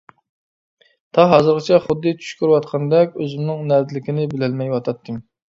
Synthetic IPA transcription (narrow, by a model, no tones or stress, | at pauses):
t̪ʰɑɦɑzɨɾqʰɑt͡ʃʰɛχʊd̪ːɨt͡ʃ̪ʰy̥ʃkʲyɾwɑt̪̚qʰɑnd̪ɛkʲøzɪmnɪŋnæɾd̪ɪlɪkʲinɪbɪlɛlmɛjwɑt̪ʰɑt̪ʰːɨm